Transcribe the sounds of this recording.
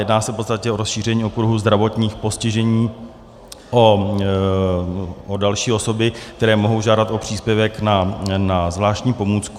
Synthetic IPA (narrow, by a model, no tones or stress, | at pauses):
jɛdnaːsɛfpo̞tt͡sst̪acɛo̞ɾosʃiːr̝ɛɲiːo̞kɾuɦuzd̪ɾavo̞t̪ɲiːxpo̞scɪʒɛɲiː | ʔo | odalʃiːo̞so̞bɪk̚t̪ɛɾɛːmo̞ɦo̞wʒaːdat̪ʔo̞pr̝̥iːspjɛvɛknanazvlaːʃtcɲiːpo̞muːt͡sk